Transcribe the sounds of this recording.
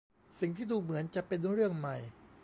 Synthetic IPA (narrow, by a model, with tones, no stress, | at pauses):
si˨˩ŋt̪ʰiː˥˩duː˧mɯ˩˦ənt͡ɕa˨˩pe˧nɾɯ˥˩əŋma˨˩j